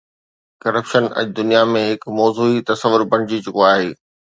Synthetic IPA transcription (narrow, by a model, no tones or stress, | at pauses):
kɐɾəpʃənɐ̰ʄd̪ʊnijamẽɦɪkmɔːzuit̪ɐsəʋʊɾbɐɽ̃d͡ʑit͡ɕʊkoaːɦeː